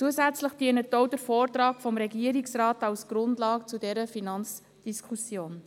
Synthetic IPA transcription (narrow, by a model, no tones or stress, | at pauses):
t͡suəsæt͡sləχd̥iənətːoʊdəɾfɔːrtrɑːkfɔmɾɛɡiəɾiksrɑːtɑwsɡ̥ɾʊndlɑːkt͡sudɛɾəfinɑnt͡s | d̥iskʰusjoːn